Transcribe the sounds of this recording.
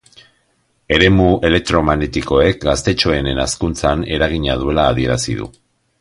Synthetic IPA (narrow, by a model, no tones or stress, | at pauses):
e̞ɾe̞muʔe̞lek̚t̪ɾo̞maɣnet̪iko̞e̞k̚ɡast̪e̞t͡ʃo̞e̞ne̞naskunt͡sane̞ɾaɣiɲaðue̞laːð̞ie̞ɾasḭðṵ